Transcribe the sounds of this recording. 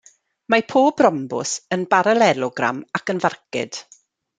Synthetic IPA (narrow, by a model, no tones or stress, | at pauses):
mapʰoːbrɔmbʊ̰sənbaɾalɛlɔɡra̰makənvarkɪ̰d̥